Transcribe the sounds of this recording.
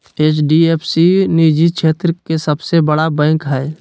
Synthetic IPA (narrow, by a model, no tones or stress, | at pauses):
eːt͡ʃɖieːpʰsiniːd͡ʒit͡ʃʰeːt̪ɾəkesɐbsebəɽabɛ̃ːkɦɛː